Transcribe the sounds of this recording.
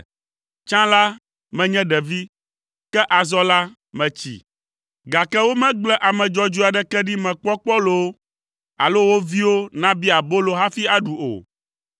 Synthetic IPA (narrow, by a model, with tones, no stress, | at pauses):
t͡ʃã˦la˦ | mɛ̃˨ɲɛ̃˦ɖɛ˨vi˦ | kɛ˦ʔa˨zɔ˦la˦ | mɛ̃˨t͡ɕḭ˨ | ɡa˨kɛ˦wo˦mɛ̃˦ɡ͡blɛ˦ʔa˨mɛ̃˨d͡ʒɔ˦d͡ʒu˦a˨ɖɛ˦kɛ˦ɖi˦mɛ̃˨k͡pɔ˦k͡pɔ˦lo˨˦ | a̰˨lo˦wo˦vi˦wo˦nã˦bi˦a˨bo˦lo˨ɦa˦fi˦a˨ɖu˨o̰˨